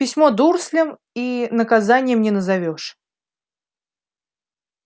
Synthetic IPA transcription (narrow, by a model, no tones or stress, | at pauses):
pʲɪsʲmɔd̪ursʲlʲəm | inəkazanʲɪjəmnʲɛnəzavʲɔʂ